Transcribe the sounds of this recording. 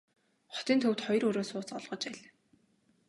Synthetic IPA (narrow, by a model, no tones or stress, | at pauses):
χɔ̥t̪iːnt̪ʰɵw̥ʲt̪χɔj̆rɵɾoːsʊːt͡sɔɮʁɞ̆t͡ɕpæɮ